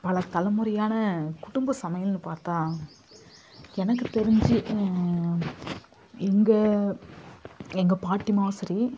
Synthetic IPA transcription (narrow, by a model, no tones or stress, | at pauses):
pɐlɐt̪ɐlɐmɯɾɐjaːnɐkʊɽʊmbɐsɐmɐjɐlnɯpaːɾt̪ãː | ɛnɐk̬ːɯt̪ɛɾɪɲd͡ʒi | ɛŋɡɐ | ɛŋɡɐpaːʈːɪmaːsɐɾi